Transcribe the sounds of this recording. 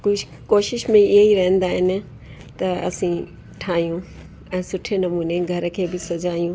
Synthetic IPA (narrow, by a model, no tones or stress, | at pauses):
kʊd͡ʒʱ | koːʃɪʃmẽɪɦeiɾɐɦə̃nd̪aːɦɪnɪ̆ | t̪ɐɐ̰sĩ | ʈʰaːɦijũ | ɛ̃ːsʊʈʰenɐmuːneɡʱɐɾkʰeːbɪsɐd͡ʑaːijũ